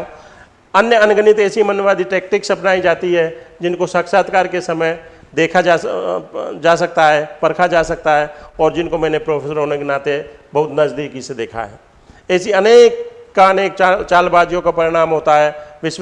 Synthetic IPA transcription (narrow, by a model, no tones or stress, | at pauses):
ɐnjəɐnɡənɪt̪ɛːsimənjəʋaːd̪iʈeːk̚ʈɪksɐpnaːid͡ʒaːt̪iɦɛd͡ʒɪnkosəkʃaːt̪kaːɾkesɐməj | d̪eːkʰaa | d͡ʒaːs̬ɐk̚t̪aɦɛːpɐɾkʰad͡ʒaːsɐk̚t̪aɦɛɔːɾd͡ʒɪnkomɛ̃ːnepɾoːpʰeːsəɾoːneknaːt̪ebɐɦʊt̪nɐd͡ʒd̪iːkised̪eːkʰa̰ɦɛ̰ː | ɛːsiəneːkːaneːk̚t͡ʃːt͡ʃaːlbaːd͡ʒjõkapɐɾɪɽ̃aːmɦoːt̪aɦɛːʋɪʃ